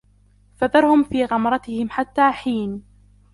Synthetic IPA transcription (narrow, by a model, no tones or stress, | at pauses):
faðɑɾˤhʊmfiːɣɑmɾˤɑt̪ɪhɪmħat̪ːaːħiːn